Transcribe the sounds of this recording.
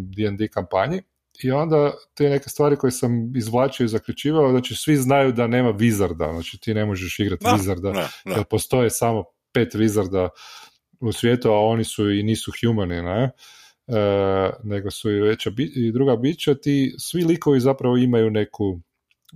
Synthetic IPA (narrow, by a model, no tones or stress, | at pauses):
d̪iɛnd̪ikampaɲi | io̞nd̪at̪ene̞kest̪ʋaːɾiko̞jesamizʋlˠaːt͡ʃioizakʎut͡ʃiːʋaoznat͡ʃisʋiznajud̪ane̞ːmaʋizaɾd̪a̰znaːt͡ʃit̪iːne̞moʒeʃiɡɾat̪ʋizaɾd̪aelpo̞st̪o̞jesamo̞ | pe̞t̪ʋizaɾd̪a | usʋʲje̞t̪uao̞nisuiniːsuxjumanine | ne̞ɡo̞suiʋe̞t͡ɕabiid̪ɾuɡabit͡ʃat̪isʋiliko̞ʋizapɾaʋoimajune̞ku